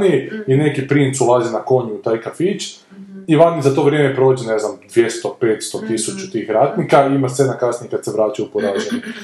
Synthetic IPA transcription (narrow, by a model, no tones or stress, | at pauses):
niine̞kipɾint̪sulˠaːzinako̞ɲuut̪aːjkafit͡ʃ | iʋanizat̪o̞ʋɾʲjeːmepɾo̞ːd͡ʑene̞znamd̪ʋje̞st̪o̞pe̞ːt̪st̪ot̪isut͡ʃut̪iːxɾaːt̪nikaiimat̪enakasniekad̪seʋɾaːt͡ʃaupoɾaːʒaɲe